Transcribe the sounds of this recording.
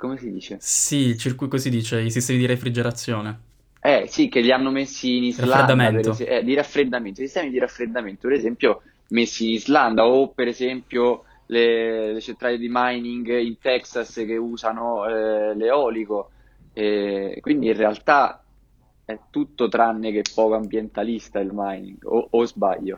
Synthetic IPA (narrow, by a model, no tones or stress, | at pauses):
komesid̪iːt͡ʃesit͡ʃiɾkukosid̪ːiːt͡ʃeisist̪ɛːmid̪iɾefɾid͡ʒeɾat̪sːjoːne | ɛsik̟ːeʎːianːomesːiːnizɾlaaɾeameapeɾoseɛd̪iɾafːɾed̪ːament̪oisist̪ɛmid̪iɾafɾed̪ːament̪opeɾezɛmpjo | mesːiːnizland̪aopːeɾezɛmpjo | lelet͡ʃent̪ɾaled̪imajniŋɡint̪ɛksask̟euːzanoɛleɔːliko | ɛkwind̪iinrealt̪a | ɛt̪ːut̪ːot̪ɾanːek̟eɛpːɔːkoambjent̪alist̪ailmajnḭŋɡoozba̰ʎːo̰